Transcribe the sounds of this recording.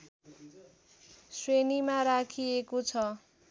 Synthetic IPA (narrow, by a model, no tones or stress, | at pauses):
swenimaɾakʰiekot͡sʰʌ